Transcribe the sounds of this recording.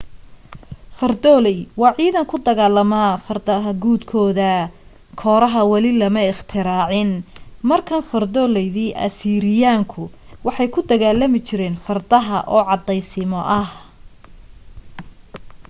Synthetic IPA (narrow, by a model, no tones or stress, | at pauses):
fɐrd̪ɔːlɛjwɑːʕiːðɐŋkʰʊd̪ɐɣaːlɐmaːfɐrd̪ɐɦɐɡuːd̪kʰɔːðɐ | kʰɔːɾɐɦɐwɐlɪlɐmɐɪχt̪ʰɪɾaːʕɪnmɐrkʰɐnfɐrd̪ɔːlɛjðiːʔɐ̰siːɾɪjaːŋkʰʊwɑħɑjkʰʊd̪ɐɣaːlɐmɪt͡ʃʰɪɾɛːnfɐrd̪ɐɦɐ̰ʔɔːʕɑd̪ɛjsɪmɔʔɐh